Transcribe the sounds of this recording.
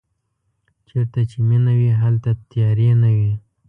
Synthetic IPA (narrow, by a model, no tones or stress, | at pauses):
t͡ʃeɾt̪at͡ʃeminawiɦalt̪at̪jɑɾenawi